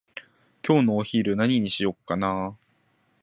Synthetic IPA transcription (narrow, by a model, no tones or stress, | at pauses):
kʲo̞ːnoːçiːɾɯ̟naɲ̟iɲ̟iɕijo̞kːanaː